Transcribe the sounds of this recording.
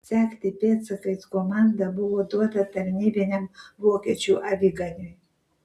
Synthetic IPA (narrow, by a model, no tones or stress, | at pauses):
sʲæːkʲt̪ʲɪpʲeːt̪sɨkɐɪskɔmɑnd̪ɐbʊʋoːd̪uɔt̪ɐt̪ɐɾʲnʲiːbʲɪnʲɛmʋoːkʲiɛt͡ʃʲuːʔɐʋʲiɡɐnʲʊj